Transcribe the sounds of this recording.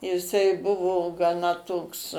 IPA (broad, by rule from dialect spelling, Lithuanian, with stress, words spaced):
jɪˈsɐɪ ˈbʊʋoː ɡɐˈnɐ ˈtoːks